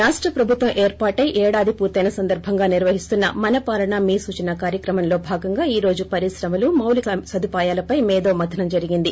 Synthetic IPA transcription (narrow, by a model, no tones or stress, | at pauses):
ɾaːʂʈɾɐpɾɐbʱut̪ʋɐmʔeːɾpaːʈɐjʔɛːɽaːd̪ʱipuːɾt̪ɐjnɐsɐnd̪ɐɾbʱɐŋɡaːniɾʋɐɦist̪unːɐmɐnɐpaːlɐɳamiːsuːt͡ʃɐnɐkaːɾjɐkɾɐmɐnlo̞ːbʱaːɡɐŋɡaːiːɾo̞ːd͡ʒupɐɾisɾɐmɐlumɐwlikɐsɐd̪ʱupaːjaːlɐpɐjmɛːd̪o̞ːmɐd̪ʰʱɐnɐmd͡ʒɐɾiɡind̪i